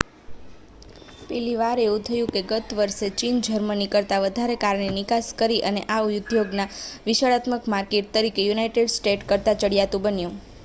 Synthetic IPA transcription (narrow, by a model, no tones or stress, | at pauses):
pɛliʋaɾeũt̪ʰəjũkeɡət̪ʋəɾʃet͡ʃind͡ʒʱəɾmənikəɾt̪aʋəd̪ʱaɾekaɾɳenikaskəɾiʔəneʔaujʊd̪ʱjoɡnaʋiʃaɭat̪məkmaɾkeʈ̚t̪əɾikejunajʈeɖsʈeʈkəɾt̪at͡ʃəɽjat̪ũbənjũ